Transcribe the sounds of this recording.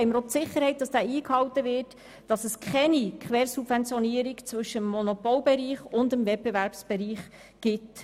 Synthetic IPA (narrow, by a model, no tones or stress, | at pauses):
ɛɪməɾott͡sɪχːəɾhɛɪt̚d̥ɑsd̥æːiːkhɑwtəvɪt | d̥ɑsɛskχɛnikχʋɛːɾsubvɛnt͡sjɔniəɾikt͡svɵʃːəmːɔnɔpɔlbɛɾiːχʊndəmvɛt̚b̥evæɾpsb̥ɛɾiːχ | ɡ̥ɪt